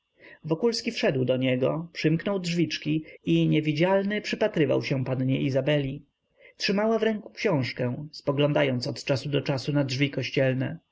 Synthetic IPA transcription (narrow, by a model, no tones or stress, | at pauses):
vɔkulskʲifʂɛd̪wd̪ɔɲɛɡɔpʂɘmknɔwdʐvʲit͡ʂkʲiiɲɛvʲid͡ʑalnɘpʂɘpat̪ɾɘva̰wɕɛ̃panɲɛʔizabɛlʲi | tʂɘmawavɾɛŋku̥kɕɔ̃w̃ʂkɛ̃spɔɡlɔ̃nd̪ajɔnt̪sɔt̪t͡ʂasud̪ɔt͡ʂasunadʐvʲikɔɕt͡ɕɛlnɛ